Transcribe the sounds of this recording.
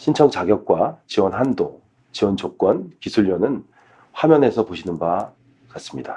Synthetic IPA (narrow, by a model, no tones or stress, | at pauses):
ɕʰint͡ɕʰʌŋt͡ɕaɡjʌk̚k͈wat͡ɕiwʌnɦando | t͡ɕiwʌnt͡ɕok͈wʌnkisʰuʎːʌnɯn | ɸamjʌne̞sʰʌpoɕʰinɯnba | kas͈ɯmɲida